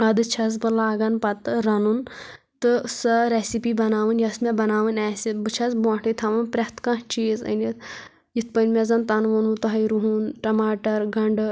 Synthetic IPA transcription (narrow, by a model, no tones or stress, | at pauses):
ɐd̪ɨt͡ʃʰɐz̬bɨlaːɡɐnpɐt̪ɨɾɐnun | t̪ɨsɐɾesipibɐnaːʋɨnjɐsmʲɛbɐnaːʋɨnɛsʲibɨt͡ʃʰɐzbõːʈʰɨt̪ʰɐʋɐnpɾʲɐht̪kɐ̃t͡ʃiːzə̰nit̪ | jit̪̚ʰpənʲmʲɛzɐnt̪ɐnʋunut̪ɐɦɐjɾuɦunʈɐmaːʈɐɾɡɐɳɖ